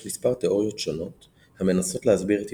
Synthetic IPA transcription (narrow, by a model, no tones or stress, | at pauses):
mispaʁteo̞ʁjo̞tʃo̞no̞t | hame̞naso̞tlehazbiʁet